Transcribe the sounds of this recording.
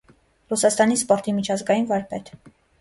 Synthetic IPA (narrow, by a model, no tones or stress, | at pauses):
rusɑst̪ɑnispɔɾt̪imit͡ʃʰɑzɡɑjinvɑɾpɛt̪ʰ